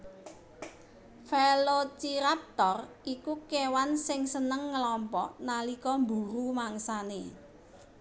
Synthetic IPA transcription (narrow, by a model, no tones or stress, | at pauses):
felot͡ʃiɾap̚t̪ɔr | ikukewansɪŋsənəŋːəlɔmpɔʔnalikɔmbṳɾumaŋsane